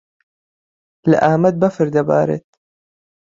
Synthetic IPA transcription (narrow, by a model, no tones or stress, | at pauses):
la̰ʔaːmad̪̚bafɪɾd̪aba̰ːɾɪ̰t̪